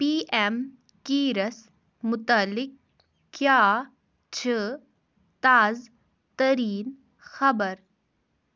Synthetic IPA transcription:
piːʔem | kiːɾəs | mʊt̪alːɪk̚ | kːjaː | t͡ʃʰe | t̪aːz | t̪ɐɾiːn | xɐbəɾ

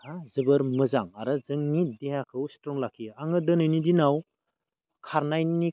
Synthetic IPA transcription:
azɯbɯɾmɯzaŋaɾɯzɯŋnideɦakʰɯwstɾɔŋlakʰiaŋɯdɯnɯjnidinaw | kʰaɾnajnini

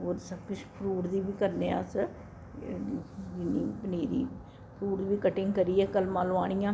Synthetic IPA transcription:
ɦoːɾsəb̚kʊt͡ʃʰpʰɾuːʈd̪iːbiːkəɾneːa̰ːsə | ɡiniːpəneːɾḭː | pʰɾuːʈd̪biːkəʈɪ̃ŋɡkəɾiːɛːkəlmaːloːaːɽ̃ijãː

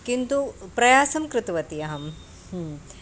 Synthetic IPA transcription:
kint̪upɾɐjaːsɐmkɾɪt̪ʋɐt̪ijɐɦɐm | h

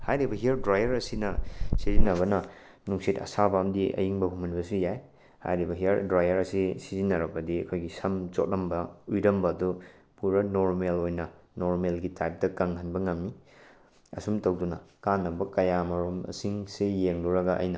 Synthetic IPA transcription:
hajɾibɐɦiɐɾdɾajɐɾɐsinɐsizinːɐβɐnɐ | nuŋsitɐ̰sabamdiɐ̰jiŋbɐɦumɐnbɐsujaj | ha̰jɾibɐɦiɐɾdɾajɐɾɐsisizinːɐɾɐbɐdiɐ̰kʰojɡisɐmt͡ʃot̚nɐmbɐujɾɐmbɐdu | puɾɐnoɾmelojnɐnoɾmelɡitajp̚dɐkɐŋhɐnbɐŋɐmːi | ɐ̰sumtɐwdunɐkanːɐbɐkɐjamɐɾomɐ̰siŋsejeŋluɾɐɡɐʔɐ̰jnɐ

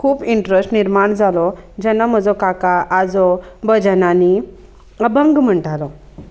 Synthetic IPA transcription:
kʰuːpiɳʈɾesʈniɾmaɳd͡zalɔd͡ʑɛnːam̤əd͡zɔkakaʔːd͡zɔbəd͡ʑənani | əbəŋɡm̤əɳʈalɔ

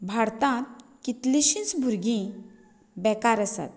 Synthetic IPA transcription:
bʱaɽt̪ãt̪̚kit̪liɕĩt͡sbʱuɾɡĩ | bɛkaɾəsa̰t̪̚

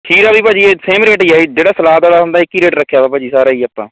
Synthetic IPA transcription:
ʈʰiːɾaːbiːpaːd͡ʒiːeːseːmɾeːʈiːaːiːd͡ʒeːɽaːsəlaːd̪aːlaːsənd̪aːɪkːiːɾeːʈɾəkʰːjaːbaːpaːd͡ʒiːsaːɾaːiːaːpːã̰ː

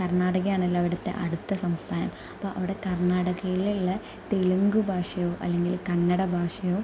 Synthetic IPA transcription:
kɐrɳaːɽɐɣɐjaːɳilːɐʋiɽɐt̪ːe̞̰ʔɐɽut̪ːɐsɐmst̪ʰaːnɐ̰m | ɐpːoːʔɐʋiɽe̞kɐrɳaːɽɐɣɐjililːɐ | t̪eluŋɡubʱaːʂɐjo̞ːʔɐ̰lːe̞ŋɡilkɐnːɐɽɐbʱaːʂɐjo̞ː

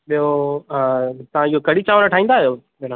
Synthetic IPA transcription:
ɓijo | t̪ɐʋ̤ãiɦokɐɽit͡ɕaːʋɾəʈʰaːĩːn̆d̪aːɦijo | menã

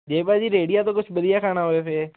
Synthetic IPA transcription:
d͡ʒeːpaːd͡ʒiːɾeːɽɪjaːt̪õːkʊt͡ʃʰbəd̪ɪjaːkʰaːnaːɦoːeːpeː

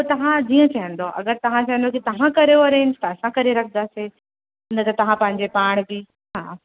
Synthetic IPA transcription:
ot̪ɐʋ̤ãd͡ʑiːə̃t͡ɕɐjə̃n̆d̪oʔɐ̰ɡəɾt̪ɐʋ̤ãt͡ɕɐjə̃n̆d̪okit̪ɐʋ̤ãkɐɾeoɐɾẽːnd͡ʑt̪ɐɐsãkɐɾeɾɐkʰnd̪aːse | ɪ̃nət̪ɐt̪ɐʋ̤ãpɐ̃ɦɪ̃ɲd͡ʑepaːɽ̃bɪ | ɦaː

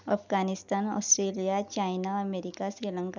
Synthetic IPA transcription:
ɐpʰɡaːnɪst̪aːnɔ̰ːsʈɾeːlijat͡ʃaːɪnaɐmeːɾɪkasɾiːlə̃ŋka

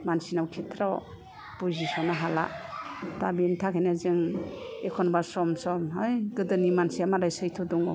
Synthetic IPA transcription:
mansinawkʰetʰɾaw | puzisɔnaɦala̰tabintʰakʰajnazɯŋekʰɔnbaɾsɔmsɔmɦɯjɡɯdɯnimansiamaɾajsɯjtʰɔdɔŋɔ

